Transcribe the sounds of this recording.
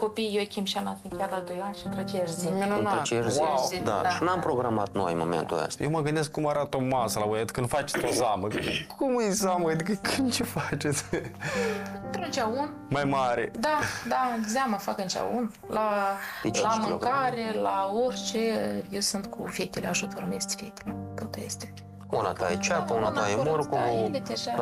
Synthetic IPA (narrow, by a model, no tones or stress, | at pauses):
ko̞pijjokʲimʃanasɨnkʲjad̪ad̪ojanʃint̪ɾot͡ʃejaʃziminunaot̪t͡ʃeaʃwawd̪a̰ʃinampɾoɡɾama̰t̪no̰jmo̰mḛnt̪ṵa̰st̪ajewməɡɨnd̪eskːumaɾat̪omasəlaojad̪i̥kənfat͡ʃe̥t̪ozaməkʰumɨjzaməad̪ikəkʰɨnd̪t͡ʃefat͡ʃes | ɨnt̪ɾont͡ʃʲaun | majmaɾed̪ad̪azʲamafakɨnt͡ʃa̰un | laelamɨkaɾʲelaorʲt͡ʃejewsɨnt̪kʰṵfʲekt̪eleaʒut̪oɾmest̪ʲfet̪e̥let̪ot̪ejḛst̪e | unat̪ajet͡ʃakaunat̪ajemuɾkod̪ed̪eʒa